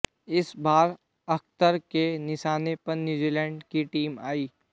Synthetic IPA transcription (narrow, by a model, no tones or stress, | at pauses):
ɪsbaːɾ | ɐk̚t̪əɾkenɪʃaːnepɐɾnjuːd͡ʒiːlɛ̃ːɳɖkiʈiːma̰ːiː